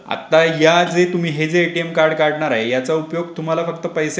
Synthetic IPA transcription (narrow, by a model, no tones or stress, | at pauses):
a̰t̪ːajad͡zet̪um̤iːɦed͡zeːʈiemkaɾɽkaɽɳaɾaɦejat͡saupjoɡ̚t̪um̤alafək̚t̪əpəjse